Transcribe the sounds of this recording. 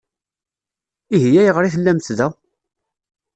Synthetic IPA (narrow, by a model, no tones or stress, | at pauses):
iɦijæjʁɾiθəlːæmt̪ðæ